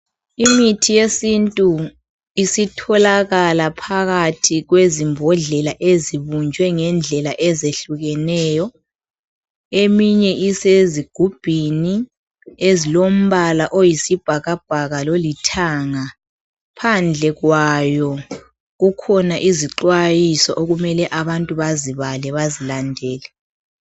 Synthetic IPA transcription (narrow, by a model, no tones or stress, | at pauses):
imitʰijesintʼu | isitʰɔlaɣalapʰaɣatʰiɣwezimbʱɔɮɛlaʔeziβund͡ʒʱwɛŋɛnd͡ɮʱɛlaʔɛzeɬuɣɛnɛːjɔ | emiɲɛʔiseziɡ̥ʱub̥ʱini | ezilom̩βalaʔojisib̥ʱaɣab̥̚ʱaɣalolitʰaŋa | pʰand͡ɮʱɛɣwajɔ | ɣukʰɔnaʔiziǃwajisɔʔoɣumɛlɛʔaβantʼuβaziβalɛβazilandʱɛːlɛ